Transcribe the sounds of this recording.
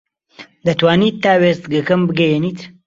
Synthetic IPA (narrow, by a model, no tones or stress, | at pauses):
d̪ɐt̪waːniːt̪ːaːwest̪ɡɐkɐmbɨɡɐjeniːt̪